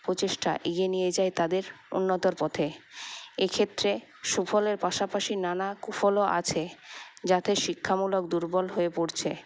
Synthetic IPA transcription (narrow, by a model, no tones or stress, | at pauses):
pɾot͡ɕeʃʈa̰ʔiɡenijed͡ʑaet̪ad̪eɾ | ṵnːot̪oɾpɔt̪ʰe | ekʰet̪ːɾe | ʃufʰɔleɾpaʃapaʃinanakufɔloʔa̰t͡ɕʰed͡ʑat̪eʃikʰːamulokd̪uɾbɔlɦoepoɾt͡ɕʰe